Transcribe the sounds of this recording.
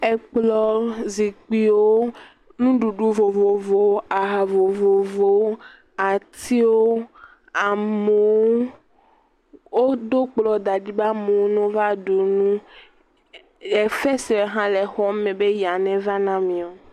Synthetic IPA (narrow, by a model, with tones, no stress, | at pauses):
e˨k͡plɔ˨zi˨k͡pi˦wo˦ | nũ˦ɖu˨ɖu˦vo˨vo˨vo˨˦a˨ɦa˨vo˨vo˨vo˨˦ | a˨t̪ʰi˦wo˦ | a˨me˨wo˦ | wo˦d̪o˦k͡plɔ˨d̪a˨di˦ba˦mẽ˨wo˦nũ˦va˦ɖu˨nũ˦ | e˨fɛ˦si˨e˨˦ɦã˦le˨xɔ˦mɛ̃˨be˦ja˨nɛ̃˦va˦nã˦mĩ˨o˨